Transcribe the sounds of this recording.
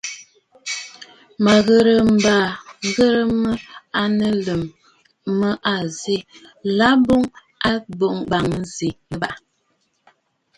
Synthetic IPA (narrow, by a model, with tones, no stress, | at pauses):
ma˨ɣə˨ɾə˨m̩˨baː˨˦ɣə˦ɾə˦mə˦a˦nə˦lə˨mː | ə˦ʔa˨zi˦˨la˦bo˦ŋ | a˦bo˨ŋ˦ɡ͡ba˨ŋ˦zi˨ə˦ba˨ʔ